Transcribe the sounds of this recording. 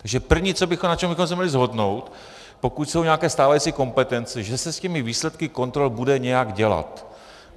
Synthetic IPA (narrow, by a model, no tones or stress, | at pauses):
t̪aɡʒɛpr̩vɲiːt͡sobɪxomnat͡ʃɛmbɪixomsɛmɲɛlɪzɦo̞dno̞wt̪ | po̞kucso̞wɲɛakɛːst̪aːvajiːt͡siko̞mpɛt̪ɛnt͡sɛʒɛsɛscɛmɪviːslɛt̪kɪko̞nt̪ɾolbudɛɲɛjaɡɟɛla̰t̪